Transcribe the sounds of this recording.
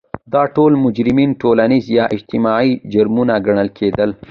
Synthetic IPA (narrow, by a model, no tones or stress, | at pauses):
d̪ɑʈolmʊd͡ʒɾɪmiːnʈolanizjɑʔɪd͡ʒt̪ɪmɑid͡ʒaɾmunaɡaɳ̃əlkʰed̪əl